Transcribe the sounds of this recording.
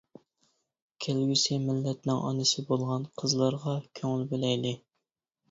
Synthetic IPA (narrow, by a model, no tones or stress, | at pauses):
kʲʰelɡʲysɪmɪlːɛt̪nɪŋʔɑ̰nɨsɪbolˠʁɑnqʰəzlˠɑɾʁɑkʲʰøŋɪlbelɛjd̪ɪ